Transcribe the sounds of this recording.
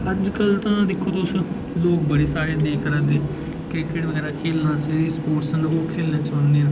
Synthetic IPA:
əd͡ʒkəlt̪ãːd̪ɪkʰːoːt̪ʊs | loːk̚bəɽeːsaːɾeːd̪eːkəɾãd̪eː | kɪkeːɽʋəɡɛːɾaːkʰeːlnãːseɾispoːʈsənd̪oːkʰeːlnãːt͡ʃənd̪ẽː

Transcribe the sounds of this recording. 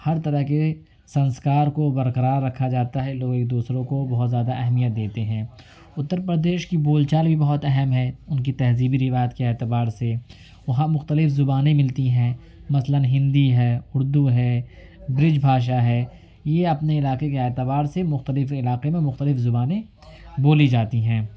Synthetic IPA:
hɐɾt̪ɐɾəɦke | sɐ̃nskaːɾkobɐɾqəɾaːɾːɐkʰːad͡ʒaːt̪aɦɛloːɡeːk̚d̪uːsɾõkobɐɦʊt̪zjaːd̪aʔɛɦmijət̪̚d̪eːt̪eɦɛ̃ː | ʊt̪ːəɾpɾəd̪eːʃkiboːlt͡ʃaːlbʱibɐɦɔt̪ɛɦɛmɦɛʊnkit̪ɛɦziːbiɾɪʋaːjət̪keɛːt̪ɪbaːɾse | ʋɐɦãmʊxt̪əlɪfzʊbaːnẽmɪlt̪iɦɛ̃ː | mɐslənɦɪ̃nd̪iɦɛːʊɾd̪uɦɛː | bɾɪd͡ʒbʱaːʃ̬aɦɛː | jeɐpneɪlaːqek̬eɛːt̪ɪbaːɾsemʊxt̪əlɪfɪlaːqemẽmʊxt̪əlɪfzʊbaːnẽ | boːlid͡ʒaːt̪iɦɛ̃ː

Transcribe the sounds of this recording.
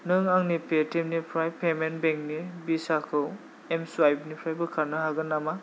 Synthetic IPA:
nɯŋaŋnipʰetimnipʰɾajpʰemenbeŋk̚nibisakʰɯw | emsuajbnipʰɾajbɯkʰaɾnɯɦaɡɯnama

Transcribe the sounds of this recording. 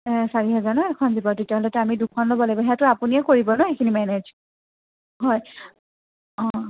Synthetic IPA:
ɛ̃saɹiɦɛzanɔɛkʰɔnzibɔɹtetijaɦɔlɛtʊamidukʰɔnlobɔlabɔɦɛtʊapuniɛkoɹibɔnɔekʰinimɛned͡ʒ | ɦɔj | ɔ̃

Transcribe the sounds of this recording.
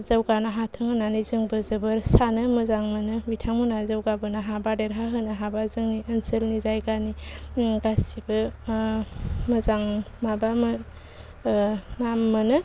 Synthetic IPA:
zawɡanaɦatʰɯŋɯnanizɯŋbɯzɯbɯɾsanɯmɯzaŋmɯnɯbitʰaŋmunazawɡabɯnɯɦabadeɾɦaɦɯnɯɦabazɯŋniʔənsɯlnizajɡaniɡastibɯ | mɯzaŋmabamɯ | namːɯnɯ

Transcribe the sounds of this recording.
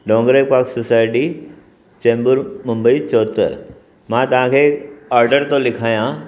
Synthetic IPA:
ɖõːŋɡɾepaːksʊsaːɪʈi | t͡ɕẽːmbəɾmʊ̃mbəit͡ɕoːt̪ə̰ɾ | mãt̪ɐʋ̤ãkʰeːaːɾɖəɾt̪õlɪkʰaːjã

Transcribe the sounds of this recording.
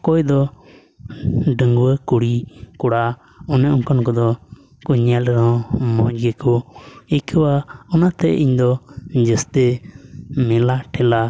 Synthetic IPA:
kɔɛd̪ɔ | ɖəŋɡwəkuɽikuɽa | ɔnɛʔuŋkɔnkɔd̪ɔ | kuɲɛlɾɔ̃mɔ̃d͡ʒɡɛkɔikʰəwaɔnat̪ɛʔiɲd̪ɔd͡ʒəst̪ɛ | mɛlaʈʰɛla

